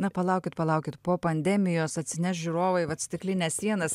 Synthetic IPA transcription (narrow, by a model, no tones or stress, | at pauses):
nɐpɐlˠɐʊkʲɪt̪pɐlˠɐʊkʲɪt̪poːpɐnʲd̪ʲɛmʲɪjoːsɐt̪ʲsʲɪnʲɛʃʒʲʊɾoːʋɐɪʋɐt̪sʲt̪ʲɪklʲɪnʲɛːssʲiɛnɐs